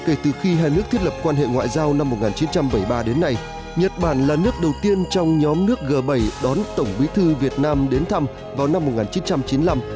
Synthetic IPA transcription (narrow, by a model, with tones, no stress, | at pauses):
ke˧˩t̪ɨ˨˩xi˧ɦaː˧jnɨ˦˥ək̚t̪ʰtlə˨˩p̚kwaː˧nɦḛ˧˨ŋwa̰ː˧˨jzaː˧wna˧mːo˨˩t̚ŋaː˨˩nt͡ɕi˨˦nt͡ɕa˧mɓə˧˩jɓaː˧ɗe˨˦nːa˧j | ɲə˨˩t̚ɓaː˧˩nlaː˨˩nɨ˦˥ək̚ɗə˨˩wt̪i˧ənt͡ɕɔ˧wŋ͡mɲɔ˨˦mnɨ˦˥ək̚ɣəː˨˩ɓə˧˩jɗɔ˨˦nt̪ə˧˩wŋ͡mɓwi˨˦t̪ʰɨ˧vi˨˩ət̚naː˧mɗe˨˦nt̪ʰa˧m | vaː˨˩wna˧mːo˨˩t̚ŋaː˨˩nt͡ɕi˨˦nt͡ɕa˧mt͡ɕi˨˦nla˧m